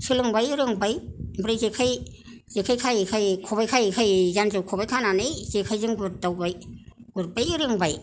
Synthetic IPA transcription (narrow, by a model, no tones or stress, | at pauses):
sɯlɯŋbajɯɾɯŋbajbɯɾɯzekʰaj | z̥ekʰajkʰajkʰajkʰɔβajkʰajkʰajzanzɯwkʰɔbajkʰananɯjz̥ekʰajzɯŋbɯɾdawbajɡ̥uɾbajɯɾɯŋbaj